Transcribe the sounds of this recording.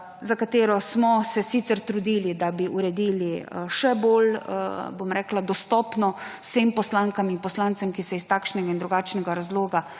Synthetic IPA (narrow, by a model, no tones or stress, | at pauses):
zakat̪eːɾɔsmɔsɛsit̪sɛɾt̪ɾud̪ilid̪abiʔuɾɛd̪iːliʃɛbolbomɾɛːklad̪ɔst̪ɔːpnɔwsempɔslaŋkaminpɔslant̪sɛmkisɛist̪akʃnɛɡaind̪ɾuɡaːt͡ʃnɛɡaɾazloːɡa